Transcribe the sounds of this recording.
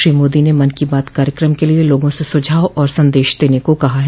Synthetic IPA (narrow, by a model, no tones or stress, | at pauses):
ɾiːmoːd̪inemɐnkibaːt̪kaːɾjəkɾəmkelieloːɡõsesʊd͡ʒʱaːwʔɔːɾsɐ̃nd̪eːʃd̪eːnekokɐɦaɦ